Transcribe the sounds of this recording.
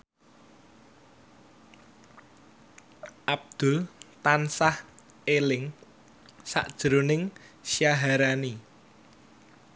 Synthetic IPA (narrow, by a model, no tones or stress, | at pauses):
ʔab̚d̪̥ʊ̤lt̪ansah | elɪŋ | sa̰ʔd̥ʒ̥ɾonɪŋʃijaɦaɾani